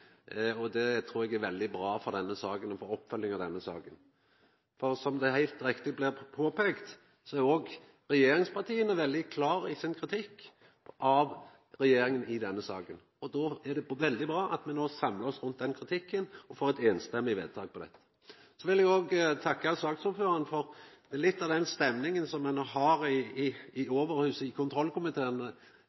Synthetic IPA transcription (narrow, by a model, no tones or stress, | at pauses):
ɔd̪ɛt̪ʰɾuːɾɛɡæɾʋɛld̪ɪbɾɑːfɔʁd̪ɛnːəsɑːkənɔfoːɾɔpːfœlːɪŋɑʋd̪ɛnːəsɑ̰ːkən | fɔɾsɔmd̪ɛhæɪlt̪ɾɪkt̪ɪblɪʁpʰoːpʰeɡt̪ | sɔæɾoːɡ | ʁɛjeːɾɪŋspʰɑʁt̪ʰiːənəʋɛld̪ɪkʰlɑːɾɪsɪnkʰɾɪt̪ʰɪkː | ʔɑʋ | ɾɛjeːɾɪŋənɪd̪ɛnːəsɑːkən | ɔd̪ɔæɖ̪ɛʋɛld̪ɪbɾɑːʔɑt̪mɛnoːsɑmləɔsɾʉnt̪̚d̪ɛnkʰɾɪt̪ʰɪkːənɔfoːɾɛt̪eːnst̪ɛmːɪʋḛːd̪̚t̪ʰɑ̰ːɡ̚pʰɔd̪ɛ̰t̪ːə̥ | sɔʋɪlɛɡoːɡt̪ʰɑkːɑsɑːksʊføːɾɑnəfɔɾd̪̥ɛælɪt̪ːɑʋd̪ɛnst̪ɛmnɪŋənsɔmːɛnoːɦɑɾɪː | oːʋəɾhʉːsəɪkʰʊnt̪ʰɾɔlkʰʊmɪt̪ʰeːnə